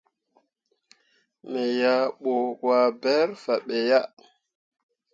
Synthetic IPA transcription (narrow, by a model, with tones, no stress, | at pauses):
me˨ja˨ɓo˨kwa˨bɛ˦ɾfa˨ɓe˨ja˦